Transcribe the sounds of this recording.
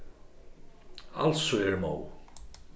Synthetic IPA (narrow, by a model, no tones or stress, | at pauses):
a̰lsɔɛɹmow